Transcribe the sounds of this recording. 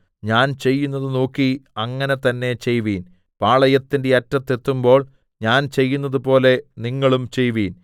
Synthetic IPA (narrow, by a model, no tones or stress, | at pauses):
ɲaːnt͡ɕe̞jːunːɐðɨno̞ːkːiɐŋːɐne̞t̪ɐnːe̞t͡ɕe̞jʋiːn | paːɭɐjɐt̪ːinde̞ɐtːɐt̪ːe̞t̪ːumbo̞ːɭ | ɲaːnt͡ɕe̞jːunːɐðupo̞ːle̞niŋːɐɭumt͡ɕe̞jʋiːn